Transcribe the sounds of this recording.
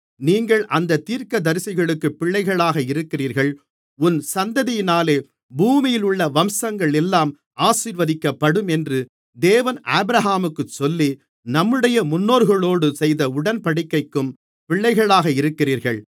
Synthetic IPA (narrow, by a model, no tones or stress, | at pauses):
niːŋɡɐɭʔɐnd̪ɐt̪ːiːɾkɐd̪ɐɾsɪɣɐɭɯkːɯpːɪɭːɐɪɣɐɭaːɣɐɪɾɯkːɪriːɾɣɐɭ | ʊnsɐnd̪ɐðɪjɪnaːleː | buːmɪjɪlʊɭːɐʋɐmsɐŋɡɐɭɛlːaːm | aːsiːɾʋɐðɪkːɐpːɐɽɯmɛndrɯ | d̪eːʋɐnaːbɪɾɐɦaːmɯkːɯt͡ʃsɔlːi | nɐmːɯɽɐjɐmʊnːoːɾɣɐɭoːɽɯsɛjðɐʊɽɐnpɐɽɪkːɐɪkːɯm | pɪɭːɐɪɣɐɭaːɣɐɪɾɯkːɪriːɾɣɐɭ